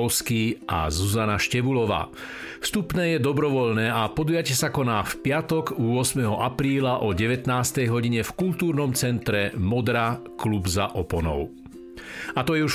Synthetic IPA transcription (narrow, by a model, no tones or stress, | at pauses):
ʊskiʔa̰zuzanaʃcɛʋulɔʋa̰ː | fst̪upnɛːjɛd̪ɔbɾɔʋɔʎnɛːapɔd̪ujacɛsakɔnaːfpɪat̪ɔɡuɔsmɛɦɔʔapɾiːlaʔɔɟɛʋɛt̪naːst̪ɛjɦɔɟiɲɛfkult̪uːɾnɔmt͡sɛnt̪ɾɛmɔd̪ɾaklubzaʔɔpɔnɔ̰ʊ | at̪ɔjɛuʃ